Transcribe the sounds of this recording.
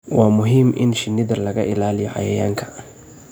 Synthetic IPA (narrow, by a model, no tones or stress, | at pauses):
wɑːmʊɦiːmʔɪ̰nʃɪnːɪðɐlɐɣɐʔɪlaːlɪjɔʕɑ̰jɐjaːŋkʰɐ̥